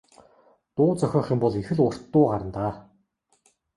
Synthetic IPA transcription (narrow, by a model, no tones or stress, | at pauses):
t̪ʊːt͡sœxʲɔːχĭmpɔɮixɘ̆ɮʊr̥t̪ːʊːɢaɾə̆nt̪aː